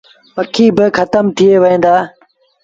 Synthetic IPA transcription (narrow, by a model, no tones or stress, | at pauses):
ʋəkʰiːbɪxʰət̪əmt̪ʰɪeːʋəɦẽːnd̪aː